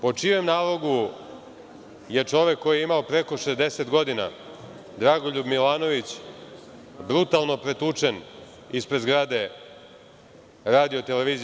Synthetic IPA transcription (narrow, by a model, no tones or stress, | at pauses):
po̞t͡ʂiʋemnaːlo̞ɡu | je̞t͡ʂo̞ʋekːo̞jieimaopɾe̞ko̞ʃezd̪e̞se̞t̪ɡo̞d̪ina̰ | d̪ɾaɡoʎubmilaːno̞ʋit͡ɕ | bɾut̪alˠno̞pɾe̞t̪ut͡ʂen | ispɾed̪zɡɾaːd̪e̞ | ɾaːd̪iot̪eleʋiːz